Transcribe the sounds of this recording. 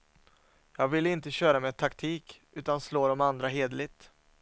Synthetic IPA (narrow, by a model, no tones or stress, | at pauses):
jɑːɡvɪlːɪnt̪əɕœːɾameːt̪ʰakt̪ʰiːk | ʉ̟ːt̪ansloːɾɔmand̪ɾaɦeːd̪əlɪt̪